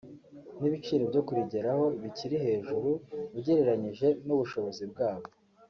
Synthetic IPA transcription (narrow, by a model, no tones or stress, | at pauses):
niβit͡ʃiːɾebɟo̞kuɾiɟe̞ɾaho̞βiciɾihe̞ːʒuɾuβuɟeɾe̞ɾaɲiʒe̞nuβuʃo̞βo̞zibɡaːβo̞